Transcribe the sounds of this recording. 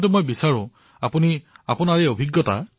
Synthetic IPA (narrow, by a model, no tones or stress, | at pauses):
tʊmojbisaɹʊ̃ | apuniapʊnaɹɛobʱiɡːɔta̰